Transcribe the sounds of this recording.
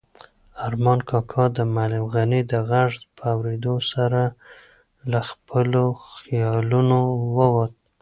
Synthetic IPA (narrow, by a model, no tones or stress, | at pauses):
aɾmɑnkʰɑkʰɑd̪əmalɪmɣanid̪əɣaʐd̪pʰəawɾed̪osaɾa | laxpəloxijɑlunowəwat̪̚